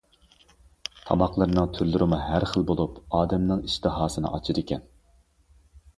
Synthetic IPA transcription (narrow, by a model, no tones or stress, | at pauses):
t̪ʰɑ̰mɑqlˠəɾnɨŋt̪ʰyɾlːyɾɪmuɦæɾχəlˠbolˠupɑːd̪ɛmnɨŋiʃt̪ɨɦɑːsɨnɨ̰ʔɑt͡ʃʰid̪ɪkʲɛn